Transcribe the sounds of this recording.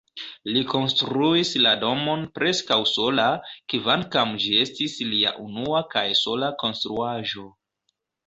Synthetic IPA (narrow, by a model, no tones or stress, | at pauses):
liko̞nstɾuislado̞mo̞npɾe̞skawso̞lakivaŋkamd͡ʒie̞stislia̰ʔunuakajso̞lako̞nstɾuaʒo̞